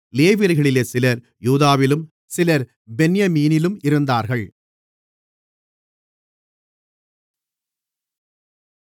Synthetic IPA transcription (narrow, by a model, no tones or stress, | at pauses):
leːʋiɾɣɐɭɪleːsɪlɐɾ | juːðaːʋɪlɯm | sɪlɐɾ | bɛnjɐmiːnɪlɯmɪɾɯnd̪aːɾɣɐɭ